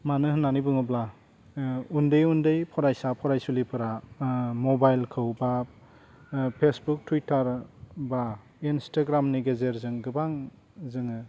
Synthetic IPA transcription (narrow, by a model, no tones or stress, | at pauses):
manɯɦɯnːanibɯŋɯbla | undɯjundɯjpʰɔɾajsapʰɔɾajsulipʰɯɾamɔbajlkʰɯwba | pʰesbuk̚tʰwitʰaɾba | instʰaɡɾamniɡezeɾzɯŋɡɯbaŋ | zɯŋɯ